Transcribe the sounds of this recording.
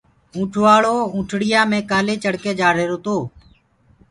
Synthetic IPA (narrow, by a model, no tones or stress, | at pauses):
ũːʈʰʋaːɭoːũːʈʰɽɪjãːmẽːkaːleːt͡ʃəɽkeːd͡ʒaːɾeːɾoːt̪oː